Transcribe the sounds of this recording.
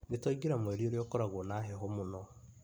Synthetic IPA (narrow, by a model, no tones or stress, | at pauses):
nitaɡiɾamweɾioɾjokoɾaɣonaɦeɦomunɔ